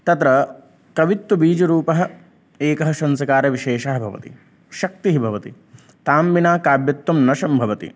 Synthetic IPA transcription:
t̪ɐt̪ɾɐ | kɐʋit̪ːubiːd͡ʒɐɾuːpɐɦɐ̆ | eːkɐɦɐʃɐnsɐkaːɾɐʋiʃeːʃɐɦɐbʱɐ̰ʋɐ̰t̪ḭ | ʃɐk̚t̪iɦibʱɐʋɐt̪i | t̪aːmʋinaːkaːbjɐt̪ːumnɐʃɐmbʱɐʋɐt̪ḭ

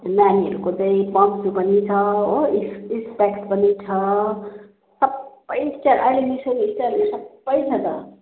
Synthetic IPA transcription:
naniɦʌ̰ɾukot͡sʌĩpʌmd͡zupʌnit͡sʰʌoisispekʈpʌnit͡sʰʌ | sʌb | ʌjisʈaɾʔajlenisʌnisʈaɾesʌbːʌjt͡sʰʌt̪ʌ

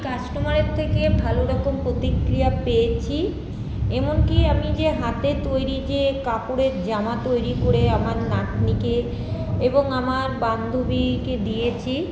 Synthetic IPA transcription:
kat͡ɕʈomaɾeɾt̪ʰekebʱaloɾɔkompɾot̪ikɾijapejet͡ɕʰi | emonkiamid͡ʑeɦat̪et̪ojɾid͡ʑekapoɽeɾd͡ʑamat̪ojɾikoɾeamaɾnaʈnike | eboŋamaɾband̪ʱubiked̪ijet͡ɕʰi

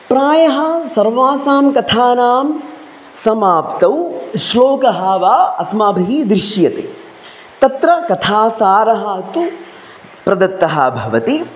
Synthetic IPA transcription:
pɾaːjɐɦɐ̆sɐɾʋaːsaːmkɐt̪ʰaːnaːm | sɐmaːpt̪ɐwʃloːkɐɦaːʋaːɐsmaːbʱiɦid̪ɾɪʃjɐt̪eː | t̪ɐt̪ɾɐkɐt̪ʰaːsaːɾɐɦɐt̪u | pɾɐd̪ɐt̪ːɐɦɐ̰bʱɐʋɐt̪i

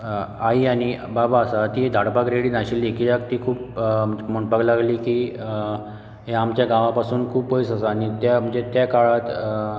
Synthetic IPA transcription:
aiaɽ̃ibabaəsat̪iːd̪ʱaɽpakɾeɽiːnaɕiːlekiːlak̚t̪iːkʰuːpmoɳpaɡlaɡliːki | ɦeamt͡ɕjaɡãʋapasuːnkʰuːpojsasaːɽ̃it̪jam̤əɳd͡zet̪jakaɭat̪

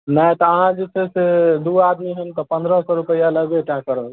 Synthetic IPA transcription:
najt̪ɔːɦãd͡ʒesʰesed̪uad̪miɦənt̪ɔpə̃nd̪ɾəsɔɾupəjaləɡeʈãkːəɾəɦ

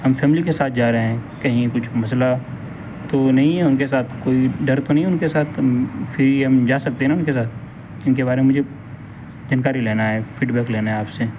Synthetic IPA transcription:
ɦɐmfɛːmlikesaːt̪ʰd͡ʒaːɾɐɦɛ̃kɐɦĩkʊt͡ʃʰmɐs̬la | t̪onɐɦĩɦɛʊnkes̬aːt̪ʰkoːiɖɐɾt̪onɐɦĩʊnkesaːt̪ʰfʰɪɾiɦɐmd͡ʒaːsɐk̚t̪eɦɛ̃ʊ̃nkes̬aːt̪̚ʰ | ɪnkebaːɾememʊd͡ʒʱe | zəːnkaːɾileːnaɦɛːfiːɖbɛːkleːnaɦɛaːpse

